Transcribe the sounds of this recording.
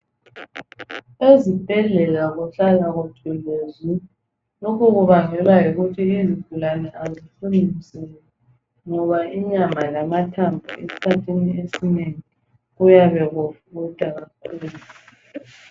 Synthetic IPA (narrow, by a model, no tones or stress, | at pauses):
ezib̥ʱɛɮɛlaɣuɬalaɣutʰʼilezi | lokʰuɣuβaŋɛlaiɣutʰiːziv̥ulanɛʔaziɬunisɛj | ŋɔβaiɲamalamatʰambʱṵḛsi̥kʰatʰiniesineŋi | ɣujaβɛɣufɣud̥ʼʱaɣakʰuːlu